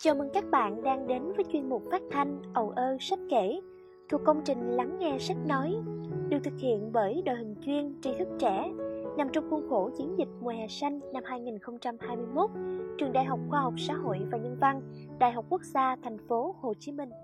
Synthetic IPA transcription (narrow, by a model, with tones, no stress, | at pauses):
t͡ɕɔ˨˩mə˨˩nkaː˦˥k̚ɓa̰ː˧˨nɗaː˧ŋɗe˨˦nvəː˨˦jt͡ɕwi˧ənmʊ˨˩k͡p̚faː˦˥t̚t̪ʰa˧jŋ̟ʔə˨˩wʔəː˧sa˦˥k̚ke˧˩ | t̪ʰu˨˩əkːə˧wŋ͡mt͡ɕï˨˩ŋ̟la˨˦ŋːɛ˧sa˦˥k̚nɔ˨˦jɗɨ˨˩t̪ʰɨ˨˩k̚hḭ˧˨ənɓəː˧˩jɗo̰˨jɦï˨˩ŋ̟t͡ɕwi˧ənt͡ɕi˧t̪ʰɨ˦˥k̚t͡ɕɛ˧˩na˨˩mt͡ɕɔ˧wŋ͡mxʊ˧ŋ͡mxo˧˩t͡ɕi˨˦ənzï˨˩k̟̚mu˨˩haː˨˩sa˧jŋ̟na˧mhaː˧jŋi˨˩nxə˧wŋ͡mt͡ɕa˧mhaː˧jmɨ˧əjmo˦˥t̚t͡ɕwi˨˩əŋɗa̰ː˧˨jɦa˨˩wk͡p̚xwaː˧ɦa˨˩wk͡p̚sa̰ː˧˥ho̰˧˨jvaː˨˩ɲə˧nva˧n | ɗa̰ː˧˨jɦa˨˩wk͡p̚kːu˦˥ək̚zaː˧t̪ʰɛ˨˩jŋ̟fo˨˦ho˨˩t͡ɕi˨˦mï˧ŋ̟